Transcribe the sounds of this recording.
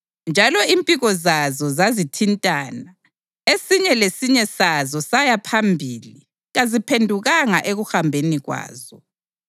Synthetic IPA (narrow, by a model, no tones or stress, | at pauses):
nd͡ʒʱalɔimpʼiɣɔzazɔzazitʰintʼaːna | esiɲɛlesiɲɛsazɔsajapʰambʱili | ɣazipʰendʱuɣaŋaʔeɣuhambʱeniɣwa̰ːzɔ